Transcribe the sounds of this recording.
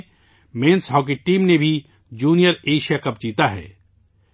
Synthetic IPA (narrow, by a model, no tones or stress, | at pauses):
mẽːnsɦɔːk̬eʈiːmnebʱi | d͡ʒuːnijəɾeːʃijakɐp̚d͡ʒiːt̪aɦɛ̰ː